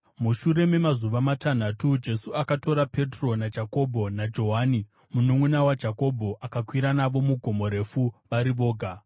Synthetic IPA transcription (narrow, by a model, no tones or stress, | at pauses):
muʃuɾe̞me̞mazuʋamatan̤atud͡ʒe̞suakato̞ɾape̞tro̞nad͡ʒʱako̞bʱo̞nad͡ʒo̞ɦani | munoŋunawad͡ʒʱako̞bʱo̞ʔakakwiɾanaʋo̞muɡʱo̞mo̞ɾe̞fuʋaɾiʋo̞ːɡʱa